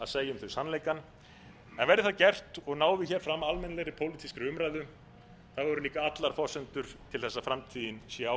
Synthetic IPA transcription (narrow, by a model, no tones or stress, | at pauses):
aðseːjʏmθœsanːleːjkan | ɛnvɛɾðɪθaðcɛr̥t̪ɔɣnaːwvɪçɛːɾ̥fɾamalmɛnlɛɣɾɪpʰoːwlit̪iskɾʏʏmɾajðʏ | θaðvɛɾʏliːkaat̪laɾ̥fɔsɛnt̪ʏɾ̥t̪ʰɪlθɛsːafɾamt̪ʰiːðɪnsjɛa